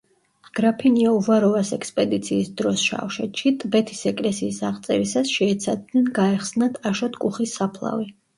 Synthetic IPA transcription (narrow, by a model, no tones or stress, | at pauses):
ɡ̥ɾapʰiniauvaɾɔvasɛkspʼɛd̪it̪sʰiːsd̪ɾɔsʃa̰fʃɛt̪ʃit̪ʼbɛt̪ʰi̥sɛkʼlɛsiːsaʁt̪sʼɛ̰ɾisasʃɛːt̪sʰad̪nɛnɡaɛχsnat̪ʰaʃɔt̪ʰkʼuχisapʰlˠa̰vi